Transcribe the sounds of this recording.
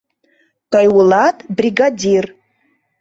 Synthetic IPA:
tʰajwulatʼbriɡadir

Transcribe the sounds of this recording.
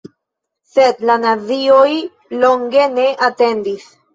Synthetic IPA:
se̞dlanavio̞j | lo̞ŋɡe̞ne̞ʔate̞ndis

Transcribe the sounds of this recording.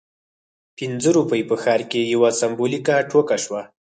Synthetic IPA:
pɪnzəɾupəjpəxɑɾkejawasambolikaʈʰokaʃwa

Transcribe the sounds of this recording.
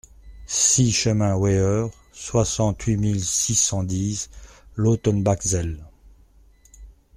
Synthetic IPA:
siʃəmɛ̃wɛœʁ | swasɑ̃t̪ɥimilsisɑ̃d̪izlot̪ɔnbakzɛl

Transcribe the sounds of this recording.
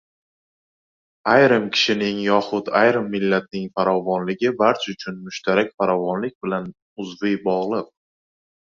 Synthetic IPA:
ajɾɪmkʲʰɪ̥ʃɪnɪŋjɒχʊt̪ajɾɪmːɪlːat̪̚nɪŋfaɾɒvɒnlɪɡʲɪbaɾt͡ʃʰaʊt͡ʃʰʊnmʊʃt̪ʰaɾakʲfaɾɒvɒnlɪk̚ʲbɪlan | ʊzvɪjbɒʁlˠɨq̚

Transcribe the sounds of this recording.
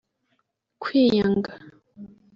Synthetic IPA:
kʰwiːɲaŋɡa

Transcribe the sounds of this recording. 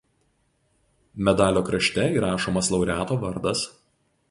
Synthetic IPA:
mʲɛd̪ɑːlʲoːkɾɐʃʲt̪ʲɛiːɾɑːʃoːmɐslˠɒʊɾʲæːt̪oːʋɐɾd̪ɐs

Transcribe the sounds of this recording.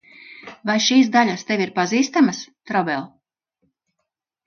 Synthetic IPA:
vajʃiːs̬d̪aʎʲast̪evʲiɾpaziːst̪amast̪ɾɔbɛlˠ

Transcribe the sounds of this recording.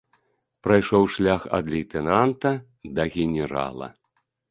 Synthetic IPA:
pɾajʂɔwʂlʲaxɐ̰d̪lʲijt̪ɛnant̪ɐ | d̪ɐɣʲɛnʲɛɾa̰lˠɐ̰

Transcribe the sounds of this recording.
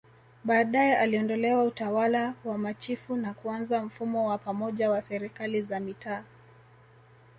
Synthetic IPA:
ɓaːɗajɛʔaliɔndɔlɛwautawalawamat͡ʃifunakuanzam̩fumɔwapamɔʄawasɛɾikalizamitʰaː

